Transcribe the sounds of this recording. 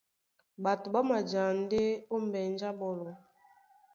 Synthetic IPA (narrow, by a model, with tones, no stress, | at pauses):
ba˨tu˨ba˦ma˨d͡ʒa˨n̩˦de˦o˦m˦bɛ˨n˦d͡ʒa˦bɔ˨lɔ˨